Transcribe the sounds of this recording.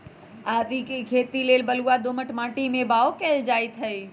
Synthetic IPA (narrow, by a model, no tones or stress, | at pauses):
aːd̪ikekʰeːt̪ileːlbəluad̪oməʈmãːʈimẽbaːʋokɛld͡ʒaːit̪ʰɐi